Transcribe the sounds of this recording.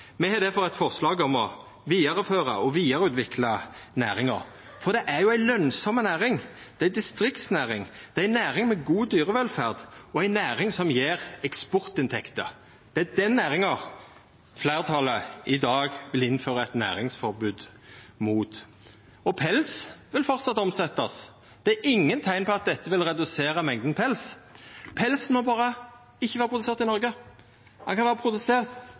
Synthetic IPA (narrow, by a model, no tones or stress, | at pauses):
mɛhɑd̪æɾfɔʁɛt̪fɔʁslɑːɡɔmɔ | ʋiːɑɾəføːʁəɔʋiːɑʁəʉːt̪ʋɪklɑnæːɾɪŋɑʁ | fɔʁd̪ɛʔæɾjʊæɪlœnsɔmənæːʁɪŋ | d̪̥ɛæɪd̪ɪst̪ɾɪkt̪snæːɾɪŋd̪̥ɛæɪnæːɾɪŋmɛɡuːd̪yːɾəʋɛlfæːʁd̪ɔæɪnæːɾɪŋsɔmjeːʁɛkspɔʁt̪ɪnt̪ʰɛkt̪ə | d̪̥ɛæd̪ɛnːæːɾɪŋɑʁ | flæːʁt̪ʰɑləɪd̪ɑːɡʋɪlɪnføːɾəæɪt̪næ̰ːɾɪŋsfɔɾbʉːd̪ | muːt̪ | ɔpʰɛlsʋɪlfɔɾt̪sɑt̪ːɔmsɛt̪ːɑs | d̪̥ɛæɾɪŋːənt̪ʰæɪnpʰɔɑt̪̚d̪ɛt̪ːəʋɪlɾɛd̪ʉseːɾəmɛŋd̪npʰɛlspʰɛlsnmɔbɑːɾə | ɪçːəʋæːʁəpʰʁʊd̪seːʁt̪ɪnɔɾɡə | hɑnkʰɑnæːʁəpʰɾʊd̪ʉseːʁ